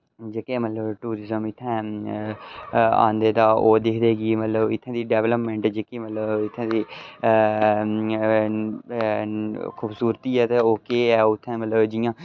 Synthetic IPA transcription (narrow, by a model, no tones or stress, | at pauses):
d͡ʒeːkẽːmət̪ləbʈuːɾɪzəmɪt̪ʰːɛ̃ː | ã̰ːnd̪eːd̪aːoːd̪eːkʰd̪eːɡiːmət̪ləbɪ̰t̪ʰːãːd̪iːɖɛːʋləpmẽɳʈd͡ʒeːkeːmət̪ləbɪt̪ʰːãːd̪iː | kʰuːbsuːɾət̪iːɛːt̪eːoːkeːɛːʊt̪ʰːɛ̃ːmət̪ləbd͡ʒɪjãː